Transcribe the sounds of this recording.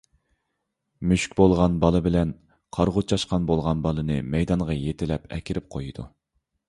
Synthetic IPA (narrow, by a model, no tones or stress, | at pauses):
myʃkʲbolˠʁɑnbɑlˠɨbɪlɛn | qʰɑɾʁʊt͡ʃʰɑʃqɑnbolˠʁɑnbɑlˠɨnɨmɛjd̪ɑɴʁɑjet̪ʰɪlɛpɛ̰kʲʰɪɾɪp̚qʰojid̪u